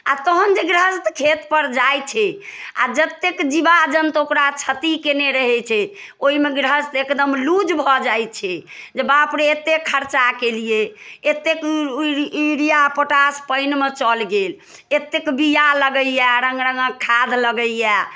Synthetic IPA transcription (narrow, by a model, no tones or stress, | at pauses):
a̰t̪ɔɦənd͡ʒeɡɾəst̪kʰet̪pəɾd͡ʒajt͡ʃʰɛa̰d͡ʒət̪ːekd͡ʒibad͡ʒənt̪okɾat͡ʃʰət̪ikeneɾəɦɛt͡ʃʰɛ | oɦimeɡɾəst̪ekd̪əmlud͡ʒbʱɔd͡ʒajt̪t͡ʃʰɛ | d͡ʒəbapɾeet̪ːekʰːəɾt͡ʃakelijeet̪ːek | iɾijapəʈaspəɪnmet͡ʃəlɡel | et̪ːekbijaləɡəjɛɾəŋɡɾəŋɡəkʰːad̪ʱləɡəjɛ